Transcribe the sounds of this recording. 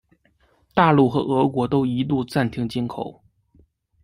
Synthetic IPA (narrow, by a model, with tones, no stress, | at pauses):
t̪a˥˧lu˥˩xɤ̰˧˥ʔɤ˧˥kwɔ˧˥t̪o˥ʊi˧˥t̪u˥˧t͡sa˥˩nt̪ʰi˧˥ŋt͡ɕi˥nkʰo˨˩˦ʊ